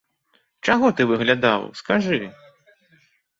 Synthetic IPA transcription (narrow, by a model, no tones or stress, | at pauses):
t͡ʂaɣɔt̪ɨvɨɣlʲad̪a̰wskaʐɨ